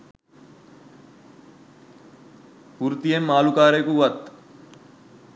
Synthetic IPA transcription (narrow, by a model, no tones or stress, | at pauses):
puɾt̪ijemːaːlukaːɾejkuːʋɐt̪